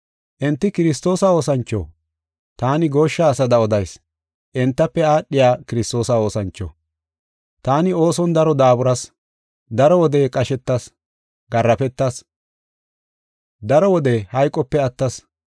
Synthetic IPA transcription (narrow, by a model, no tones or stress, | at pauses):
ʔɪnt̪ːɪkɪɾɪst̪o̞ːsɐo̞ːsɐnt͡ʃːo̰ː | t̪aːnɪɡo̞ːʃːaːsɐd̪ɐɔd̪ɐjs | ʔɪnt̪ːɐpːɛaːɗːɪjaːkɪɾɪst̪o̞ːsɐo̞ːsɐnt͡ʃːo̰ | t̪aːnɪo̞ːsɔnd̪ɐɾɔd̪aːbʊɾɐs | d̪ɐɾɔwɔd̪ekʼɐʃɛt̪ːɐs | ɡɐrːɐpɛt̪ːɐs | d̪ɐɾɔwɔd̪ɛhɐjkʼːɔpːɛɐt̪ːɐs